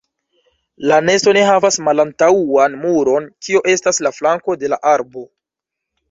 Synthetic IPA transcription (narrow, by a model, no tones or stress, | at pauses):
lane̞sto̞ne̞ɦavasmalantaanmuɾo̞nkioʔe̞staslaflaŋko̞de̞laʔaɾbo̞